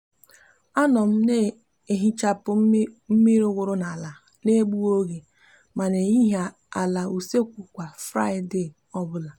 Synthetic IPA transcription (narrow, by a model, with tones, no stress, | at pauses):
a˦nɔ˨m̩˦ne˦˨ | e˨ɦi˦t͡ʃa˦pʊ˦m̩˦mi˦ɾʊ˦ɡʷʊ˦ɾʊ˦na˨la˨ | ne˦ɡ͡bu˦o˦ɣe˨ | ma˨ne˨i˦ɦe˨ | a˨la˨u˨se˦kʷu˨kʷa˨fɾa˦ɪ˨de˦˨ | ɔ˦bʊ˦la˨